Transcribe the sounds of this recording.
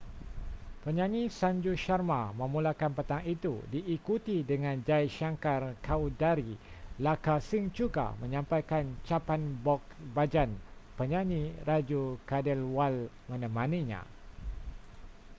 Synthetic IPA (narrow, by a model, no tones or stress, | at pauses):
pəɲãɲĩsaɲd͡ʒuʃarmamə̃mũlakanpət̪aŋit̪udiʔːkut̪idəŋãnd͡ʒajʃaŋkarkʰawdaɾilakasiŋt͡ʃuɡa̰mə̃ɲãmpajkant͡ʃapanbɔk̚bad͡ʒanpəɲãɲĩrad͡ʒukadəlwal | mə̃nə̃mãniɲã̰